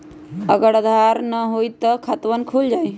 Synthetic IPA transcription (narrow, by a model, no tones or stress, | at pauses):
əɡəɽəd̪ʱaɾnəɦojt̪əkʰɐt̪ʋənkʰuld͡ʒaj